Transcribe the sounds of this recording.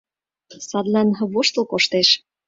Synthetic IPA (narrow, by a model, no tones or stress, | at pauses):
sɑd̪lɑnβoʃt̪ə̆lˠkoʃt̪eʃ